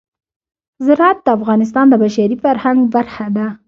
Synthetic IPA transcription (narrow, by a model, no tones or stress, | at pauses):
zɪɾat̪̚d̪əafɣɑnɪs̬t̪ɑnd̪əbaʃaɾifaɾhaŋɡbaɾxad̪a